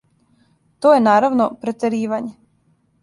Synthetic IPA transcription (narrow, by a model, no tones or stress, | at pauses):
t̪ojenaːɾaʋnopɾet̪eɾiːʋaɲe